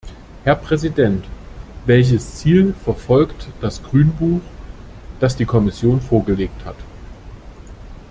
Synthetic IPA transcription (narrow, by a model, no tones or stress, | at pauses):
hɛɐpʁ̥ɛzidɛntvɛlç̬əst͡siːlfɛɐfɔlktd̥asɡ̥ʁyːnbuːx | d̥asd̥iːkʰɔmɪsjoːnfoːɐɡəleːk̚tha̰t